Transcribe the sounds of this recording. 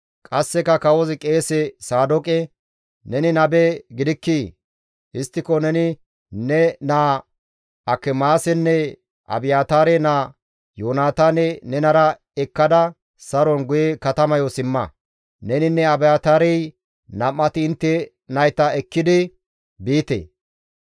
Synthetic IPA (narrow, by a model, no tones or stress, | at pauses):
kʼɐsːɛkɐkɐwɔzɪkʼe̞ːsɛsaːd̪ɔkʼɛ | nɛnɪnɐbɛɡɪd̪ɪkːiː | ɪst̪ːɪkɔnɛnɪ | nɛnaː | ɐkːɛmaːsɛnːɛ | ʔɐ̰bɪjaːt̪aːɾɛnaː | joːnaːt̪anɛnɛnɐɾɐ | ɛkːɐd̪ɐ | sɐɾɔnɡʊjɛkɐt̪ɐmɐjɔsɪmːɐ | nɛnɪnːɛɐbɪjaːt̪aːɾɛj | nɐmːɐt̪ɪːnt̪ːɛ | nɐjt̪ɐɛkːɪd̪ɪ | biːt̪ḛː